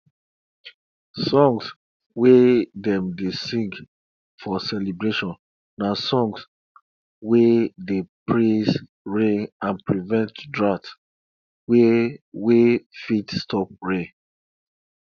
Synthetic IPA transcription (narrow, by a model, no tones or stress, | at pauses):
sɔ̃ŋs | wedɛ̃mdesĩŋk | fɔsɛlibɹeʃɔ̃nː | asɔ̃ŋs | wedepʰɹez | ɹẽãnpɹivɛ̃ntdɹat | wewefitstʰɔp̚ɹẽ